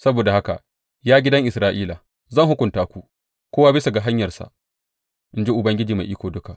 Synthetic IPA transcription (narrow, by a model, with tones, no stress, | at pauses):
sɐ˦boː˨da˨ha˦ka̰˨ | jaː˦ɡʲɪ˦dɐ˦ŋʔɪ˨sɾaː˦ʔiː˦la˨ | zɐ˦˨ŋhʊ˦kʷʊ˨ntaː˦kʷu˦ | kʷoː˦waː˦bɪ˦sa˨ɡa˨ɦa˦ɲjɐ˨rsa̰˨ʔ | ʔɪ˦nd͡ʒe˦ʔʊ˨bɐ˦ŋɡʲɪ˦d͡ʒiː˨ma˨ʔiː˦kʷoː˨dʊ˦ka˨ʔ